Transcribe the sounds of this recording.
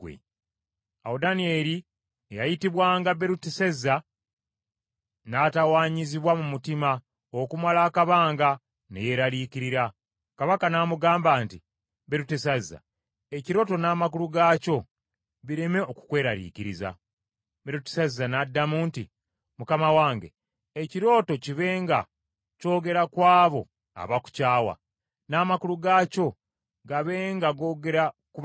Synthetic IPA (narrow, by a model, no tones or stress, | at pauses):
ḛ | aodanieɾi | ejajitiβwaːŋɡaβe̞ɾutesezːa | natawaːɲiziβwamumutima | okumalaːkaβaːŋɡa | neje̞ɾalikiɾiɾa | kaβakanaːmuɡaːmbaːnti | βe̞ɾutesazːa̰ | e̞ciɾo̞to̞naːmak̬uluɡaːco̞ | βiɾeme̞o̞ku̥kwe̞ːɾaɾḭːciɾiza̰ | βeɾute̥sazːanadːamuːnti | mukamawaːŋɡḛ | eciɾo̞ːto̞ciβe̞ːŋɡa̰ | co̞ːɡe̞ɾakwaːβo̞ | a̰βaku̥caːwa̰ | naːmakuluɡaːco̞ | ɡaβeːŋɡaɡo̞ːɡe̞ɾaku